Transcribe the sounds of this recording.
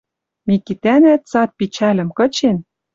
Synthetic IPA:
mikit̪ænæt̪̚t͡sɑt̪̚pit͡ɕælʲɘ̆mkɤ̆t͡ɕen

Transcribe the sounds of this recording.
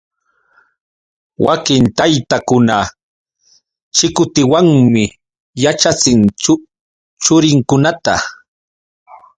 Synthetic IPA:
wakɪnt̪ajt̪akʊna | t͡ʃɪkʊt̪ɪwaŋmɪ | jat͡ʃat͡sɪn | t͡ʃʊɾɪŋkʊnat̪a

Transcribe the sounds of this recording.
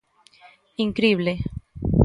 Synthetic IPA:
iŋkɾiːble

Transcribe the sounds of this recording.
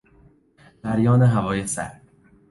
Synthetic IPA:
d̪̥æɾjɒːneɦævɒːjesæ̰ɾ

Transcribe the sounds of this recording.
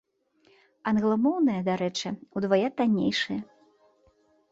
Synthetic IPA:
ɐnɣlˠɐmɔwnɨjɐd̪aɾɛt͡ʂɨud̪vajat̪anʲḛjʂɨjɐ

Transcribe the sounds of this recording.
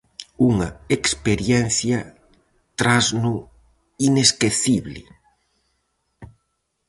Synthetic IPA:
uŋaekspeɾjɛn̟θja | t̪ɾaznu | ineskeθiβlɪ̰

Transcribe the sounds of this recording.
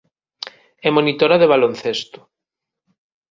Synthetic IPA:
ɛmonit̪oɾaðeβ̞alonθest̪ʊ̥

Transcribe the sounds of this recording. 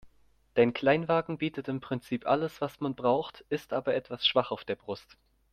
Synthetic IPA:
d̥aɪnkʰl̥aɪnvaːɡŋ̩biːtətɪmpʁ̥ɪnt͡siːpʔa̰ləsv̥asmanbʁaʊxtʔɪstʔaːbɐʔɛtv̥asʃv̥aχaʊfd̥eːɐbʁʊst

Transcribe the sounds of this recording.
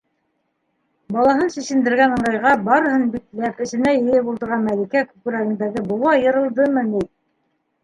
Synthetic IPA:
bɑlˠɑɦɤnsĭsɘ̆nd̪ɘ̆ɾɡænɤ̆ɴɑjʁɑbɑɾɤhɤnbiklæpɘ̆sɘ̆næjɘ̆jɘbulˠd̪ɤ̆ɾʁɑmælikækʉkɘ̆ɾæɡɘ̆nd̪æɡɘbɤ̆wɑjɤ̆ɾɤ̆lˠd̪ɤmɤnit̪̚

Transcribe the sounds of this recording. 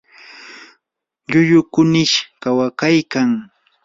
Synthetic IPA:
ʎʊʎʊkʊnɪʃkawakajkaŋ

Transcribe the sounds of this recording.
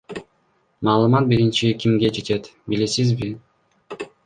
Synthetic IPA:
mɑːlˠɯmɑt̪̚biɾint͡ʃikʲimɡe̞d͡ʒe̞t̪e̞t̪bilisizbi

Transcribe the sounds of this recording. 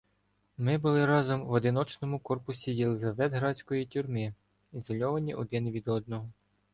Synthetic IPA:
mɪbʊlˠɪɾɑzɔmʋɔd̪ɪnɔt͡ʃnɔmʊkɔrpʊsʲijelˠɪzɐʋɛd̪ɦɾɑsʲkɔjitʲʊrmɪ | izɔlʲɔʋɐnʲiʔʊd̪ɛnʋʲid̪ɔd̪̚nɔɦɔ

